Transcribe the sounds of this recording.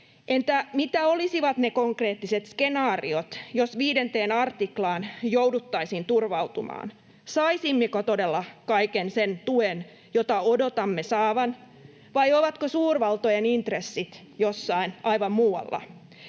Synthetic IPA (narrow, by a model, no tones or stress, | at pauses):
ʔent̪æmit̪æolisiʋɑt̪nekoŋkreːt̪ːiset̪skenɑːriot̪josʋiːdent̪eːnɑrt̪iklɑːnjowdut̪ːɑisint̪urʋɑut̪umɑ̰ːn | sɑisimːikot̪odelːɑkɑikensent̪uen | jot̪ɑodot̪ɑmːesɑːʋɑn | ʋɑjoʋɑt̪kosuːrʋɑlt̪ojenint̪resːit̪ | josːɑinɑiʋɑmmuːɑ̰lːɑ̰